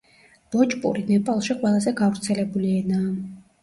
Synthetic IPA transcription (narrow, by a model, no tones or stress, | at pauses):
b̥ɔt͡ʃʼpʼṵɾinɛpʼalˠʃiqʼwɛlˠazɛɡavɾt̪sʰɛlɛbuliɛnaː